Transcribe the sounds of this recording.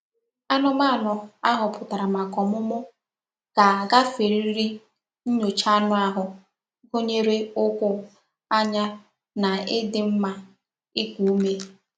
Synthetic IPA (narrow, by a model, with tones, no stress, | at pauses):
a˦nʊ˦ma˦˨nʊ˨a˦ɦʊ˨pʊ˨ta˨ɾa˨ma˨kɔ˨mʊ˦mʊ˦ | ɡ̥a˨ɡa˦fe˨ɾi˦ɾi˦ɾi˦ | n̩˦ɲo˨t͡ʃa˦nʊ˦a˦ɦʊ˨˦ | ɦo˦ɲe˦ɾe˦ʊ˦kʷʊ˦ | a˦ɲa˦ | na˨ɪ˦dɪ˨m̩˦ma˦ | ɪ˦kʷu˨u˦me˦